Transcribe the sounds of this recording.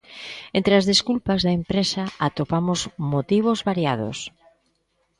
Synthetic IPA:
ent̪ɾeazðeskulpazðɐempɾesaat̪opamʊzmot̪iβ̞ozβaɾjað̞o̰s

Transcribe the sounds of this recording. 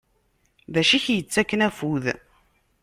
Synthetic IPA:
ðæʃiçjət͡sːækːənæfuð

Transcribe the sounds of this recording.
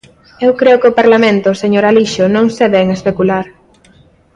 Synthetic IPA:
ewkɾeʊkɪopaɾlamẽnt̪ʊseɲoɾaliʃonõŋseβɛŋespekulaɾ

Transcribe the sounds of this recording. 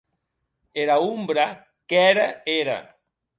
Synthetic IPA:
eɾaumbɾa | kɛɾaeɾa̰

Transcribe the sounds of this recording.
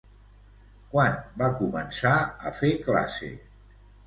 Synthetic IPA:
kwanbakumənsaəfekla̰sḛ

